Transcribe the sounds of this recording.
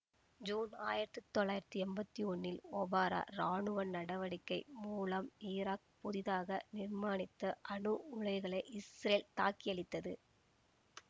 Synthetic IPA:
d͡ʒuːna̰ːjɪɾɐt̪ːɯt̪ːɔɭːaːjɪɾɐt̪ːɯɛmbɐt̪ːiɔnːɪlɔːbaːɾa̰ːɾaːɳɯʋɐnnɐɽɐʋɐɽɪkːɐɪmuːlɐmiːɾaːk̚pʊðɪðaːɣɐnɪɾmaːɳɪt̪ːɐʔɐɳɯʊɻɐɪɣɐɭɐɪʔɪsɾeːlt̪aːkːɪɐɭɪt̪ːɐðɯ̰

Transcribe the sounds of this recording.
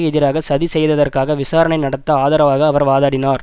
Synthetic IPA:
ɣɛðɪɾaːɣɐsɐðisɛjːðɐðɐrkaːɣɐʋɪsaːɾɐɳɐɪnɐɽɐt̪ːɐaːðaːɾɐʋaːɣɐːʋɐɾʋaːðaːɽɪnaːɾ

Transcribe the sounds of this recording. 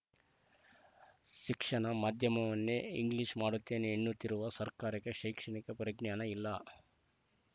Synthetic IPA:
ʃikʂɐɳɐmaːd̪ʱjɐmɐʋɐnːeiŋɡliːʂmaːɽut̪ːe̞ːneːnːut̪ːiɾuʋɐsɐɾkaːɾɐkeʃɐjkʂɐɳikɐpɾɐɡɳjaːnɐilːɐ

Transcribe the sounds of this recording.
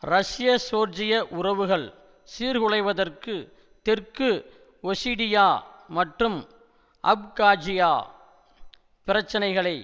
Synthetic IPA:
rɐʂɪjɐsoːɾd͡ʒɪjɐʔʊrɐʋɯɣɐɭ | siːɾɣɯɻɐɪʋɐðɐrkɯ | t̪ɪrkɯ | ɔsiːɽɪjaːmɐʈrɯm | ʔɐ̰b̚kaːd͡ʒɪjaː | pɪɾɐt͡ʃːɐnɐɪɣɐɭɐɪ

